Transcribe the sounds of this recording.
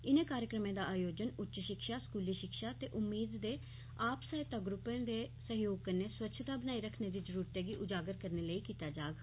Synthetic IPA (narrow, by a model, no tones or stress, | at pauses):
ɪnẽːkaːɾjəkɾəmẽːd̪aːʔaːjoːd͡ʒənʊtːt͡ʃʃɪkʃaːskuːliːʃɪkʃaːt̪eːʔʊmːiːd̪d̪eː | aːpsaːɪt̪aːɡɾʊpẽːd̪eːsəɦjoːɡ̚kəneːswətːʃʰət̪aːbənaːiːɾəkʰneːd̪iːzəɾuːɾt̪eːɡiːʔʊd͡ʒaːɡəɾkəɾneːləiːkiːt̪aːd͡ʒaːɡ